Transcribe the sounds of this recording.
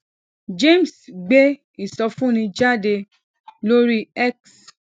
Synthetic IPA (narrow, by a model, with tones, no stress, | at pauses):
d͡ʒe˦˨m˨sɡ͡be˦ | i˦˨sɔ˧fũ˦˨nĩ˧d͡ʒa˦˨de˧ | lo˦ɾi˦ɛ˦ks